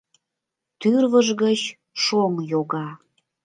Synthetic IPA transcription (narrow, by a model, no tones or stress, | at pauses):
t̪yrβəʒɣət͡ɕ | ʃoŋjoɣɑ